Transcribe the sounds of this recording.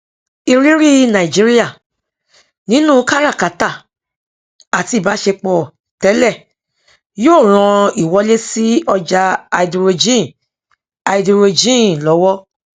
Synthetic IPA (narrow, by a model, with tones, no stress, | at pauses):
i˧ɾi˦ɾi˦nã˨i˨d͡ʒi˨˦ɾi˦ja˦˨ | nĩ˦nũ˦ka˦ɾa˦˨ka˨˦ta˦˨ | a˨ti˧i˨ba˨˦ʃe˧k͡pɔ˨ | tɛ˨˦lɛ˦˨ | joː˦˨ɾ̃ɔ̃˧i˨wɔ˨˦le˦si˦ɔ˧d͡ʒa˧a˧i˨du˧ɾo˧d͡ʒĩ˦˨ | a˨i˨du˧ɾo˧d͡ʒĩ˦lɔ˨˦wɔ˦